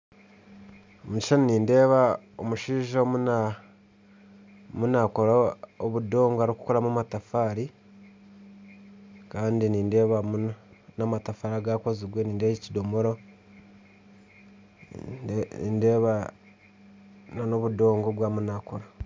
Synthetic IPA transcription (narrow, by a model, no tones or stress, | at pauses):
omuci̥ʃaniniːnde̞ːβa | o̰muʃiːʒomuna | munakoɾaoβudo̞ːŋɡoaɾiku̥koɾamumatafaːɾi | kaːndiniːnde̞ːβamunamatafaːɾaɡakoziɡweniːndeβacidomoɾo̞ | ḭndeːβa | nonoβudo̞ːŋɡoβwaːmunakoɾa